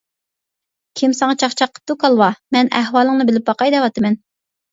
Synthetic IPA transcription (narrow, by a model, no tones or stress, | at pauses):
kʲʰimsɨŋɑt͡ʃʰɑχt͡ʃʰɑqʰːə̥p̚t̪ukʰɑlˠwɑmɛnɛhwɑːlˠəŋnɨbɪlɪp̚bɑqɑjd̪ɛwɑt̪ʰɨmɛn